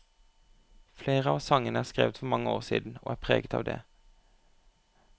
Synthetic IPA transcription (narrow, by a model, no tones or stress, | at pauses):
fleːʁəɑːʋsɑŋənəæːskʁḛːʋət̪fɔʁmɑŋəoːʁsḭːd̪n̩o̰ːʔæːpʰʁeːɡət̪ʰɑ̰ːʋd̪ḛː